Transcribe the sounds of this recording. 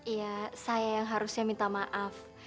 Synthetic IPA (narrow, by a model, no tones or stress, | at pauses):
ijasajajaŋɦaɾusɲamint̪amaʔaf